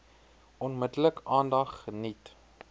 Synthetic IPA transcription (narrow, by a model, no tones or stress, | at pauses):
ɔnmədələkɑːndɐχːənit